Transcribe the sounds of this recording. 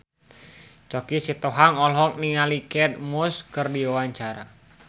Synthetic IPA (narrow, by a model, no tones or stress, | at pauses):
t͡ʃokisit̪oɦaŋɔlɦɔk̚niŋalikɛt̪̚muskərdiawaɲt͡ʃaɾa̰